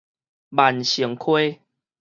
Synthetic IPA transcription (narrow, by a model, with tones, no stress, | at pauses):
ba˨˦nɕi˨˩˦ŋkʰwe˦